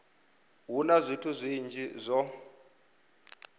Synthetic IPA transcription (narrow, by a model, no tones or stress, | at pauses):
ɦunazʷitʰuzʷind͡ʒʱizʷɔ